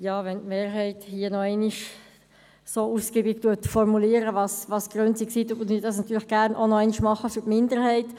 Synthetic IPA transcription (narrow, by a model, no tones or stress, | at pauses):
jɑːʋɛntmeːɾɦɛɪthiənɔɛɪniʃ | soːuskiːbiɡtuətfɔɾmuliːəɾəvɑsvɑsɡ̥ɾœnt͡siksiːt̪utəniːdɑsnɑt̪ːyːɾləχɡ̥æɾnʔonɔɛɪniʃmɑχəfytmɪndəɾhɛɪt